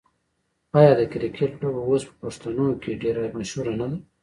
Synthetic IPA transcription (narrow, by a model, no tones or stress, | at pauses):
ɑjɑd̪əkɾikʰeʈloboospə̥paʂt̪anokeɖeɾamaʃhuɾanad̪a